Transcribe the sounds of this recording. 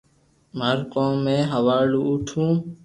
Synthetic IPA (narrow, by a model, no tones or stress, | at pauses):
məɾkoːmːẽːɦəʋaːluːʊʈʰũː